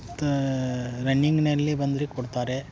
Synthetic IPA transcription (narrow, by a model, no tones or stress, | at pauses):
ɾɐɳːiŋɡnɐlːibɐnd̪ɾikɔɽt̪aːɾe